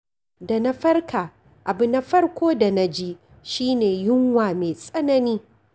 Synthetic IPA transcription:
da˨na˦ɸɐ˦rkʰaː˨ | ʔa˨bʊ˨na˦ɸɐ˦rkʷoː˦da˨na˦d͡ʒi˦ | ʃiː˦neː˨jʊ˦ŋwaː˨meː˨sʼɐ˦nɐ˦niː˦

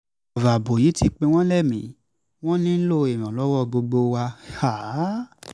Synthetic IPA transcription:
ɔ˨va˨bo˨ji˨˦ti˧k͡pe˧w̃ɔ̃˦lɛ˦˨mĩ˨˦ | w̃ɔ̃˦nĩ˦n̩˦lo˦˨e˨mĩ˨ɔ̃˨lɔ˦wɔ˦˨ɡ͡bo˧ɡ͡bo˧wa˧ha˦˨

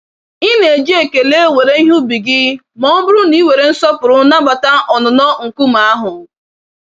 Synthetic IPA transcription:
i˦ne˨e˨d͡ʒe˦˨ke˨le˦we˨ɾe˦i˦ɦu˦bi˨ɡɪ˦ | mɔ˦bʊ˦ɾʊ˦ni˦we˨ɾe˨n̩˦sɔ˦pʊ˨ɾʊ˦na˦ɡ͡ba˨ta˦ʔɔ˨nʊ˨nɔ˦ŋ̩˨ku˦m˨a˦ɦʊ˨

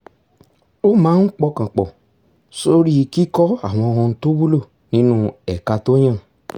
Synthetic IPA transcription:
o˦mãː˨˦ŋ̩˦k͡pɔ˧˦kã˨k͡pɔ˨ | so˦ɾi˦˧ki˦kɔ˦a̰˦˨w̃ɔ̃˧hɔ̃˧n̩˦to˦bu˦lo˦˨ | nĩ˨˦nũ˦ɛ˨ka˨˧to˦ɲã˦˨

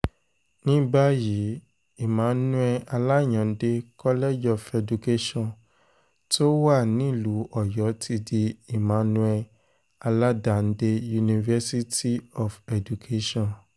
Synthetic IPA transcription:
nĩ˦ba˦ji˨˦ | i˦˨mãː˨˦n˦nũ˦ɛ˧a˧la˦˨ɲɔ̃˨˦de˧kɔ˦lɛ˦d͡ʒɔ˨fɛ˨du˨ke˦ʃɔ̃˦n | to˦wa˦˨nĩ˦˨lu˨˦ɔ˨jɔ˨˦tʰi˧di˧i˨mãː˨˦nũ˦ɛ˧ | a˧la˦da˨n̩˦de˧˦ju˧nĩ˧vɛ˦si˦ti˦ɔ˨fɛ˨du˨kʰe˦ʃɔ̃˦˨n

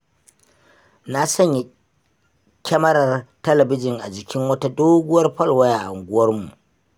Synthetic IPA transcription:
na˦sɐ˦ɲja˨ | kʲɛ˦mɐ˦ɾɐ˨rtɐ˦lɐ˨bɪ˦d͡ʒɪ˨ŋʔa˨d͡ʒɪ˨kʲɪ˦ŋwɐ˦ta˦doː˦ɡʊ˦wɐ˦rɸɐ˦lwa˦jʔa˨ʔa˨ŋɡʷʊ˦wɐ˦rmu˨ʔ

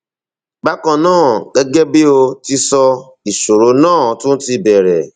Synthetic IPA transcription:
ɡ͡ba˦kɔ̃˧nãː˦˨ɡe˦ɡe˦be˦o˧ti˧sɔ˧ | i˨so˨ɾo˨˦nãː˦˨tʊ̃˦n̩˦ti˧bɛ˨ɾɛ˨

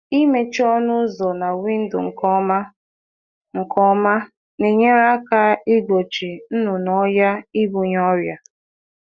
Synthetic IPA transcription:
i˦me˨t͡ʃɔ˦nʊ˦zɔ˨na˨wi˦n̩˦dʊ̰˨ŋ̩˨kɔ˦ma˦ | ŋ̩˨kʰɔ˦ma˦ | ne˨ɲe˦ɾa˦a˦ka˦i˦ɡo˨t͡ʃi˨n̩˦nʊ˨nɔ˦ja˦i˦bu˨ɲ˦ɔ˦ɾja˨

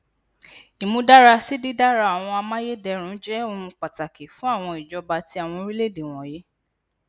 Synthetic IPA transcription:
i˨mũ˧da˦ɾa˧si˦di˦da˦ɾa˧a˨w̃ɔ̃˧a˧mã˦je˦dɛ˧ɾ̃ũ˨˦d͡ʒɛ˦o˦˧ũ˧k͡pa˨ta˨ki˨fũ˦a˦˨w̃ɔ̃˧i˨d͡ʒɔ˧ba˧ti˧˦a˦˨w̃ɔ̃˧ɾi˦le˦˨de˨w̃ɔ̃˨je˨˦

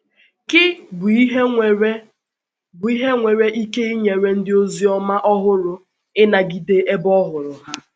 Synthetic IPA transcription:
kɪ˦bʊ˨i˦ɦe˦˨ɾe˦ | bʊ˨i˦ɦe˦ŋʷe˨ɾe˦ʔi˦ke˦i˦ɲe˨ɾe˦n̩˦dɪ˦o˦zi˦ɔ˦ma˦ʔɔ˦ɦʊ˦ɾʊ˨ | ɪ˦na˨ɡi˨de˦ʔe˦bɔ˦ɦʊ˨ɾʊ˨ha˦

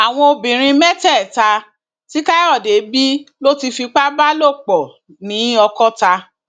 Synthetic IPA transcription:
a˨w̃ɔ̃˧o˧bĩ˨ɾ̃ĩ˧mɛ˦tɛ˦˨ta˧ | ti˦ka˦ɔ˦˨de˨˦bi˦lo˦ti˧fi˧k͡pa˦ba˦lo˦˨k͡pɔ˨ | nĩ˨˦ɔ˧kɔ˦ta˧

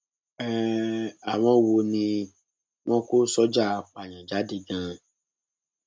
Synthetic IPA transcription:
ɛ˦˨a˨w̃ɔ̃˧˦˧wo˧nĩ˧ | w̃ɔ̃˦ko˦sɔ˦d͡ʒa˦˨˧k͡pa˨j̃ã˨d͡ʒa˨˦de˧ɡã˧˦

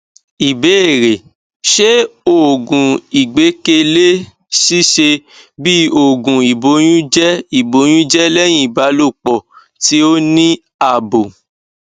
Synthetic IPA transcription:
i˨be˦e˦˨ɾe˨ | ʃe˦o˨ɡũ˨i˨ɡ͡be˨˦ke˧le˦ | si˦ʃe˧bi˦o˦˨ɡũ˨i˨bo˨˦j̃ũ˦d͡ʒɛ˦i˦˨bo˨˦j̃ũ˦d͡ʒɛ˦lɛ˦j̃ĩ˦˨i˨ba˨˦lo˦˨k͡pɔ˨ | ti˨˦o˦nĩ˦ | a˦˨bo˨

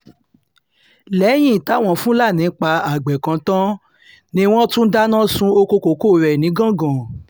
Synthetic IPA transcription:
lɛ˨˦j̃ĩ˦˨ta˨˦w̃ɔ̃˦˨fũ˦la˦˨nĩ˨˦k͡pa˧a˨ɡ͡bɛ˨kã˨˧˦tã˦ | nĩ˧w̃ɔ̃˦tũ˦da˦nã˦sũ˧o˧ko˧ko˨ko˦˨ɾɛ˨nĩ˨˦ɡã˦˨ɡã˨

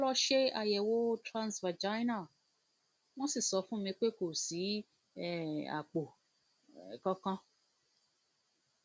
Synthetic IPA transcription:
lɔ˦ʃe˦a˨jɛ˨wo˦tɾã˦nsvɛ˨d͡ʒa˦jna˨ | mɔ̃˦si˨sɔ˨˦fũ˦mẽ˨k͡pe˦ko˨si˨˦˨ | a̰˨k͡po˨ | kɔ̃˦kɔ̃˦

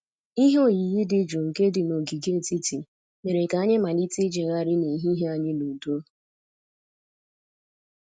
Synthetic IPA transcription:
i˦ɦo˦˨ji˨ɣi˦dɪ˦d͡ʒo˨ŋ̩˨ke˦dɪ˨no˨ɡi˨ɡe˦˨ti˦ti˨ | me˨ɾe˨ka˨˦ɲɪ˦ma˨li˦ti˦d͡ʒe˨ɣa˦ɾɪ˦ne˨ɦi˦ɦe˦a˨ɲɪ˦nu˨do˦

